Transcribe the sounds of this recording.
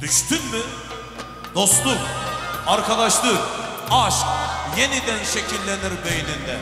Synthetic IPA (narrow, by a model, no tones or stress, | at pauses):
ɾist̪inmɪ | d̪o̞st̪lˠukaɾkʰad̪aʃlˠɯkaʃkjenid̪ænʃecʲʰilʲːeniɾbejnind̪ɛ